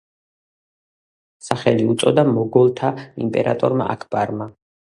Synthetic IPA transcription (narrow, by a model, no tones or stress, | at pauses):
saχɛliut̪sʼɔd̪amɔɡɔlˠt̪ʰaḭmpʼɛɾa̰t̪ʼɔɾma̰ʔakʰbaɾma